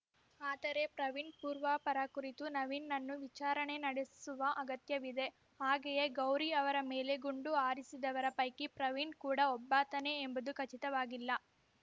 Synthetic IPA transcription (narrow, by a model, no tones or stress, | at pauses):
aːd̪ɐɾe̞pɾɐʋinpuːɾʋapɐɾɐkuɾit̪unɐʋinːɐnːuʋit͡ʃaːɾɐɳe̞nɐɽessuʋɐʔɐɡɐt̪jɐʋid̪e̞ | aːɡejeɡɐwɾiɐʋɐɾɐmeːle̞ɡuɳɖuaːɾisid̪ɐʋɐɾɐpɐjkipɾɐʋinkuːɽɐɔbːaːt̪ɐne̞ːmbɐd̪ukɐt͡ʃit̪ɐʋaːɡilːɐ